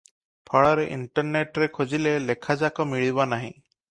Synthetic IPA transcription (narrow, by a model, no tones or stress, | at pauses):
pʰɔɭɔɾeʔḭɳʈɔɾneʈɾekʰod͡ʒilelekʰad͡ʒakɔmiɭibɔnaɦḭ̃